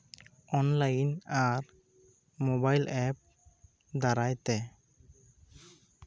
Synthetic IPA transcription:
ɔnlajnaɾ | mɔbajlɛp̚ | d̪aɾajt̪ɛ

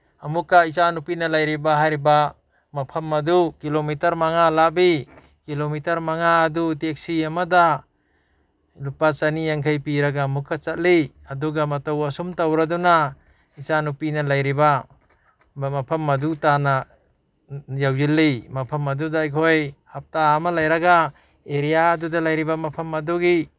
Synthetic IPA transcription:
amukːaisanupinalajɾibaɦajɾiba | mapʰɐmːɐd̪ukilomitɐɾmaŋalabi | kilomitɐɾmaŋaːdutek̚siamada | lupat͡ʃanijaŋkʰajpiɾaɡaːmukːat͡ʃat̚li | aduɡamatawasumtawɾaduna | isanupinalajɾiba | mapʰɐmːɐdutana | jawjilːimapʰamɐdudajkʰojhap̚taːmalajɾaɡa | eɾijaːdudalajɾibamapʰamaduɡi

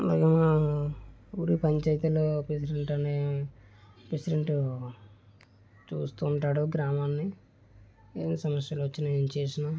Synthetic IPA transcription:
la̰ːɡɐnaː | uːɾipɐɲt͡ʃɐjt̪uloːpɾes̬iɖeɳʈɐneː | pɾesiɖeɳʈu | t͡ʃuːst̪uːɳʈaːɽuɡɾaːmaːnːi | ḛːnːisɐmɐsjɐloʋɐt͡ʃːinɐeːnit͡ʃe̞ːsinaː

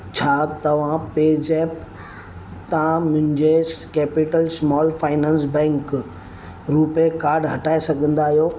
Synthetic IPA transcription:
t͡ɕʰaːt̪ɐʋ̤ãpeːd͡ʑɛːp | t̪ãmʊ̃ɦɪ̃ɲd͡ʑekeːpɪʈəlsmɔːlfaːɪnãːnsbɛ̃ːŋk | ɾuːpekaːɾɖɦɐʈaːesɐɡʱə̃nd̪aːɦijoː

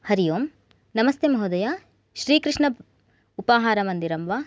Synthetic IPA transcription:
hɐɾijoːm | nɐmɐst̪emɐɦud̪ɐjaː | ʃɾiːkɾɨʂɳɐ | upaːɦaːɾɐmɐnd̪iɾɐmʋaː

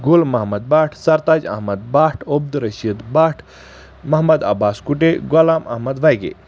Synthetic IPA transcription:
ɡulmɐɦmɐd̪̚baːʈʰsɐɾt̪aːd͡ʒɐ̰ɦmɐd̪̚baːʈʰob̚d̪ɾɐʃid̪baːʈʰ | mɐɦmɐd̪ɐ̰baːskuʈeɡɔlaːmɐ̰ɦmɐd̪ʋajɡḛ

